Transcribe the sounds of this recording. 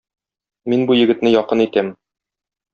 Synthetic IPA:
minbujɘ̆ɡɘ̆t̪nɘjɒqɤnit̪æm

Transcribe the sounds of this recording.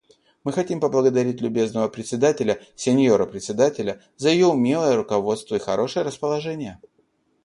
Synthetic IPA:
mɨxɐtʲimpəblˠəɡəd̪ɐɾʲitʲlʲʉbʲe̞znəvəpɾʲɪt̪sʲɪd̪atʲɪlʲəsʲɪnʲjoɾəpɾʲɪt̪ʲsʲɪd̪atʲɪlʲə | zəjɪjo̞ʊmʲe̞lˠəjəɾʊkɐvo̞t̪st̪vəixɐɾo̞ʂɨjəɾəspəlˠɐʐɛnʲɪjə

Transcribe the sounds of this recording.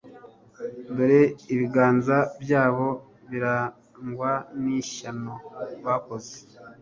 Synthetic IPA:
doɾeiβiɡaːnzabjaːβo̞ | βiɾa | ŋɡwaniʃanoβako̞ze̥

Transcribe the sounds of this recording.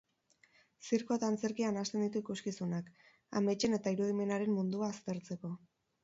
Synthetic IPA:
siɾkuat̪aːnt͡se̞ɾkianast̪e̞nd̪it̪uikuskisunak | a̰me̞t͡ʃe̞ne̞t̪aiɾuð̞ime̞naɾe̞mmund̪uaːst̪e̞ɾt͡se̞ko̞

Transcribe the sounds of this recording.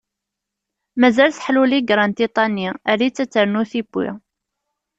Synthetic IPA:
mæzælθħluliɡɾˤɑnt̪it̪ˤɑniæɾit͡sːæt͡sːəɾnuθibːwḭ

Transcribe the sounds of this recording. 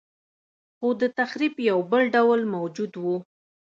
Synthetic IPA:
xod̪ət̪axɾibjawbəlɖawlmawd͡ʒud̪wu

